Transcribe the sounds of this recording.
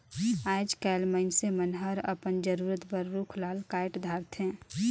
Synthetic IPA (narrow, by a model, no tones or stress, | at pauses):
aːd͡ʒkəlməɪnsemənɦəɾə̰pənd͡ʒəɾuɾət̪bəɾːukʰlaːlkaːɪʈd̪ʱaɾt̪ʰɦɛ̃